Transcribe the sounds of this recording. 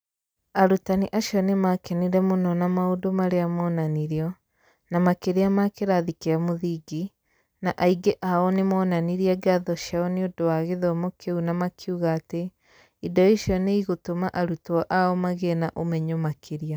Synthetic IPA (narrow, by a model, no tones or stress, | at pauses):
aɾutaniʔaʃiɔnemakɛniɾɛmonɔnamaodomaɾeamɔːnaniɾiɔ | namakeɾeamakeɾaðikeamoðiɡi | naʔaiɡeʔaɔnemɔːnaniɾiaɡeaðɔʃaɔneodowaɣeðɔmokʰeunamakʰeuɣaːte | idɔiʃjɔneiɣotomaʔaɾutɔʔaɔmaɣenaʔomɛɲomakʰeɾia